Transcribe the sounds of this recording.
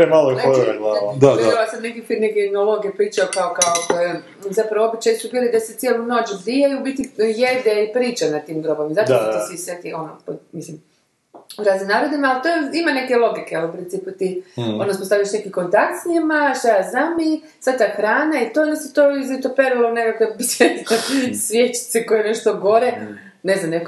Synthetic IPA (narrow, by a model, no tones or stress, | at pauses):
emaloiooɾaɡlˠaod̪aalasamnekifineɡenolˠoɡiepɾiːt͡ʃaokaokaokoje | zapɾaʋoo̞bit͡ʃajsubiːlid̪aset̪jeluno̞ːt͡ʃɡɾijajubit̪ijed̪eipɾiːt͡ʃanat̪iːmɡɾobaʋimzat̪t̪isiset̪io̞nopomislim | uɾazimnaːɾod̪imaalt̪oimane̞kelˠo̞ɡikeelupɾint̪siːput̪ionospost̪aʋilʃne̞kiko̞nt̪ak̚t̪sɲimaʃt̪ajaznami | sad̪̚t̪axɾaːnait̪oniset̪oizit̪opeɾulonekakebisjet̪it̪osʋjet͡ʃi̥t̪seko̞jeneʃt̪oɡo̞ɾe | neznamnek